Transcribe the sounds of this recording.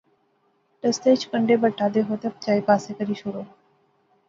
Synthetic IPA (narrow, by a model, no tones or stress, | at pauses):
ʈɐst̪eːt͡ʃʰkəɳɖebəʈʰːaːd̪eɦoːt̪ep̚t͡ʃaːipaːsekəɾiːʃʊɾoː